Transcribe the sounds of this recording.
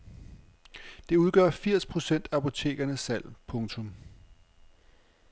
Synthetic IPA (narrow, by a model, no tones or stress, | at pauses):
d̥e̝uð̞ˠɡ̥ɶɐfiɐ̰spʰʁo̝sen̰d̥ɑpo̝t͡sʰe̝̰ːɡ̥ɐnəsæl̰pʰɔ̽ŋt͡sʰɔ̽m